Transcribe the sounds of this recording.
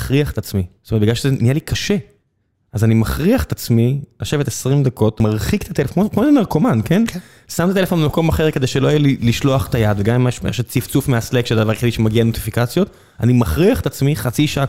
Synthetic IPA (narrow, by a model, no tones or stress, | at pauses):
χʁiaχet̪at͡smistomet̚biɡlalʃezenijalikʰaʃe | azanimaχʁiaχe̥t̪at͡smilaʃe̞vet̪esʁimd̪ako̞tmaʁχikt̪ʰat̪elefokmoʃomeʁkomanke̞n | samt̪at̪elefo̞nmako̞maχeʁke̞d̪ejʃelojajeliliʃloaχt̪ajad̪veɡammʃmḛʃet͡sift͡sufmeaslekʃed̪avaʁeχidiʃemaɡianot̪i̥fikat͡sjo̞t̪ | a̰nimaχʁiaχetat͡smiχat͡siʃaa